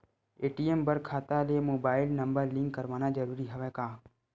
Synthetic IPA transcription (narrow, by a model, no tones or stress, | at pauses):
eːʈiːembəɾkʰaːt̪alemoːbaːɪlnɐmbəɾlɪ̃ŋkːəɾʋaːnad͡ʒɐɾuːɾiɦɐʋekaː